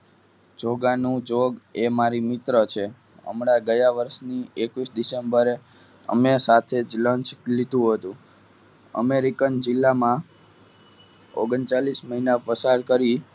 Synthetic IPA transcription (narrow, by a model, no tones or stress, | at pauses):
d͡ʒoɡanũd͡ʒoɡemaɾimɪt̪ɾət͡ʃʰe | ə̰mɳaɡəjaʋəɾʃniekʋisd̪isembəɾe | ə̰mesat̪ʰed͡ʒlənt͡ʃlid̪ʱũɦət̪ũ | ə̰meɾikənd͡ʒɪlːamã | o̰ɡənt͡ʃalisməɦinapəsaɾkəɾi